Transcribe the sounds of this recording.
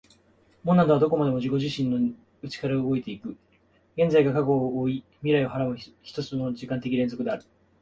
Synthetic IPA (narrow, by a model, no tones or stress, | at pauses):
monːad̪oβad̪o̞k̬o̞mad̪e̞mo̞ʑiko̞ʑiɕĩnːo̞ | ɯ̟t͡ɕi̥kaɾaoɯɡo̞et̪e̞ikɯ̟ | ɡẽ̞nd͡zaiɡakaɡo̞oi | mʲiɾaio̞haɾamɯ̟çi̥t̪o̞t͡sɨno̞d͡ʑikãnt̪e̞kʲiɾẽ̞nzo̞kɯ̟d̪e̞aɾɯ̟